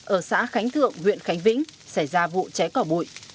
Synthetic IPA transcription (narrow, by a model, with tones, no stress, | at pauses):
ʔəː˧˩sa̰ː˧˥xa˨˦jŋ̟t̪ʰɨ̰˧˨əŋːwḭ˧˨ənxa˨˦jŋ̟vḭ˧˥ŋ̟sa˧˩jzaː˧vṵ˧˨t͡ɕɛ˨˦kɔ˧˩ɓu˧˩˨j